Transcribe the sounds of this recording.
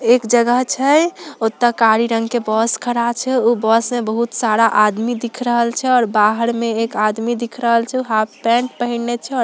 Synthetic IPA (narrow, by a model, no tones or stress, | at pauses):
ekd͡ʒəɡəɦt͡ʃʰɛot̪ːəkaɾiɾəŋɡkebɔskʰəɾat͡ʃʰɛobɔsmebəɦut̪saɾaʔad̪mid̪ikʰɾəɦəlt͡ʃʰɛɔːɾbaɦəɾmeekad̪mid̪ikʰɾəɦəlt͡ʃʰɛuɦappɛ̃ɳʈpəɦinet͡ʃʰɛɔɾ